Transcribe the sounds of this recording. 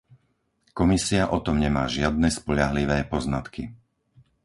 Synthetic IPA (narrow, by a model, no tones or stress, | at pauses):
kɔmisiaʔɔt̪ɔmɲɛmaːʒɪad̪̚nɛspɔʎaɦliʋɛːpɔznat̪ki